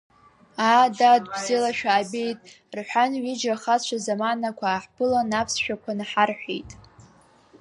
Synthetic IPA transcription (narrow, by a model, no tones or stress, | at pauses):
adadɡzɪlaʃᶣaːbejtʼ | rħʷᶣanɥid͡ʒaχat͡ʃʷʰazamanakʷʰaːħpɨlanapʰsʃᶣakʷʰanaħarħʷᶣḛjtʼ